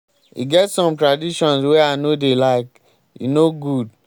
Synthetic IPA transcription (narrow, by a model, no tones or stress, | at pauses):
ḭɡɛtsɔ̃mtɹadiʃɔ̃nswɛanodelaɪk | jḭnoɡud̚